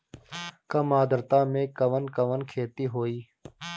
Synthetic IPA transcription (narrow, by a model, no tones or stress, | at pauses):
kəmaːd̪əɾt̪ãːmẽːkəʋənkəʋənkʰeːt̪iːɦoːiː